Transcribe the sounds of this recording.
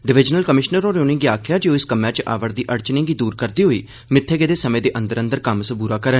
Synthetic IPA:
ɖɪʋɪd͡ʒnəlkəmɪʃnəɾoːɾoːnɪ̃ŋɡiːaːkʰjaːd͡ʒeːoːɪskəmãːt͡ʃʔa̰ːʋəɾd̪iːʔəɾt͡ʃnẽːɡiːd̪uːɾkəɾd̪iːɦoːḭː | mɪt̪ʰːeːɡeːd̪eːsəmẽːd̪eːʔənd̪əɾənd̪əɾkəmsbuːɾaːkəɾə

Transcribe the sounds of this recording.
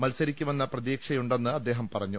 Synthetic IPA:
mɐlsɐɾikʲːume̞nːɐprɐðiːkʂɐjuɳɖe̞nːɨɐd̪ːe̞ːɦɐmpɐrɐɲːu

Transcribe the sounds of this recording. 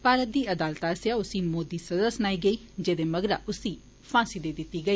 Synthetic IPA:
paːɾət̪̚d̪iːəd̪aːlt̪aəsjaːʊsĩːmoːd̪iːsəd̪əsnaːiːɡəiː | d͡ʒeːd̪eːməɡɾaːʔʊsiː | pʰãːsiːd̪eːd̪ɪt̪ːiːɡəiː

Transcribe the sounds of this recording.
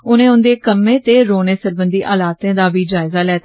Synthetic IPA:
ʊnẽːʊnd̪eːkəmːẽːt̪eːɾoːneːsəɾbənd̪iːʔaːlaːt̪ẽːd̪aːbiːd͡ʒaːɪzaːlɛːt̪

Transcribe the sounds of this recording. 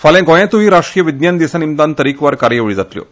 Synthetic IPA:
falɛ̃ɡɔ̃jɛ̃t̪uʋiːɾaʂʈɾijəʋid̪njand̪isanimt̪ant̪əɾikʋaɾkaɾjəʋɭiːd͡zat̪ljo̰

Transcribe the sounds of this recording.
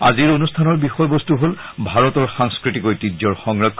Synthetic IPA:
a̰ziɹonustʰanɔɹbixɔjbɔstuɦol | bʱaɹɔtɔɹxaŋskɹitikojtizɔɹxɔŋɹakʰː

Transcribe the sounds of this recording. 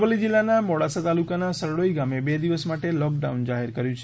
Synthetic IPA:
ʋəlid͡ʒilːanamɔɽasat̪alukanasəɾɽoiɡamebed̪iʋəsmaʈelɔkɖaund͡ʒaɦeɾkəɾjũt͡ʃʰ

